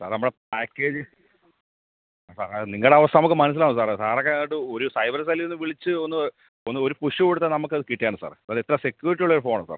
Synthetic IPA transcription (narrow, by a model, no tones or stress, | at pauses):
sa̰ːrnɐmuɽep̚aːkːe̞ːd͡ʑɨ | saːɾniŋːɐɭɽeɐʋɐst̪anɐmukːɨmɐnɐs̬ilaːɳɨsaːrsaːrokːeiʈ̬ːɨo̞ɾusɐjbɐɾs̬ɐlionːɨʋiɭit͡ɕːɨonːɨ | onːɨo̞ɾupuʂɐpeɽut̪ːɐnɐmukːɨɐðɨkiʈːijaːɳɨsa̰ːrsaːɾet̪ːɾɐmse̞kʲːjuːɾiʈ̬ːiuɭːɐoɾufoːɳɐsa̰ːr